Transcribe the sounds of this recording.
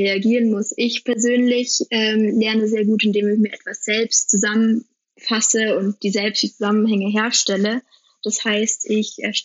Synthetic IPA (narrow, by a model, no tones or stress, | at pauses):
eaɡiːʁənmʊsʔɪçpʰɛɐzøːnlɪçʔɛːmlɛɐnəzeːɐɡuːtɪndeːmɪçmiːɐʔɛtv̥asz̥ɛlpstt͡suzamən | fasəʊnt̚d̥iːzɛlpstv̥iːt͡suz̥amənɦɛŋəɦeːɐʃtɛlə | d̥ashaɪstʰʔɪçʔɛ̰ɐʃ